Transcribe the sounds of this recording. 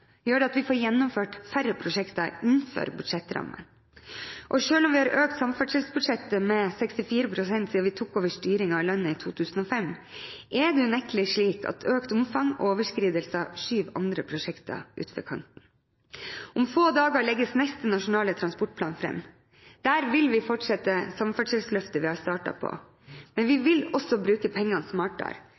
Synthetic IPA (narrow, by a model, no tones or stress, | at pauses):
jøːɖɛɑt̪ʋɪfoːɾjɛnːʊmføːʈfæɾəpʰɾʊʂɛkt̪ɑɪnfø̰ːɾbʉd̪̥ʂɛt̪ːɾɑ̰mːə̰ | ʔɔʂøːlɔmʋɪhɑːɾʔøːk̚t̪sɑmfɑʂɛlsbʉd̪ʂɛt̪ːəmɛsɛkst̪ɪfiːɾəpʰɾʊsɛnt̪siːɑʋɪt̪ʰuːkoːʋəʂt̪yːɾɪŋɑɪlɑnːəit̪ʰuːt̪ʰʉːsn̩ɔːfɛmːʔɛd̪ɛʉnɛkəlɪʂɭiːkʰɑ̰t̪ʰøːkt̪ʊmfɑŋɔ̰oːʋəʂkɾiːd̪əlsəɑʂyːʋɑ̰nd̪ɾəpʰɾʊʂɛkt̪ɑ̰ʔʉ̰ːt̪fɔ̰ɾkʰɑ̰nt̪n̩ | ʊmfoːd̪ɑːɡɑɭɛɡːəsnɛst̪ənɑʂʊnɑːlət̪ʰɾɑnspɔʈ̚pʰlɑːnfɾɛ̰mː | d̪̥æːɾʋɪlʋɪfɔʈʂɛt̪ːəsɑmfɑʈʂɛlslœft̪əʋɪhɑst̪ɑːʈɑ̰pʰɔ̰ | mɛnʋɪʋɪlɔsːɔbɾʉːkəpʰɛŋːɑnsmɑːʈɑ̰ɾ